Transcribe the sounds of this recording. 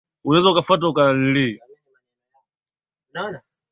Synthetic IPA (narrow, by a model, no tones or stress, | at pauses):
unaɛzaukafat̬aukanili